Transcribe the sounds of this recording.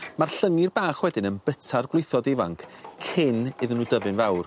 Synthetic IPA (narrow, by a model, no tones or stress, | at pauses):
marɬəŋɪrbaːχwɛdɪnənbətʰarɡwlˠɪjθɔdevaŋkʰkʰɪnɪðənuːdəvɨnvawr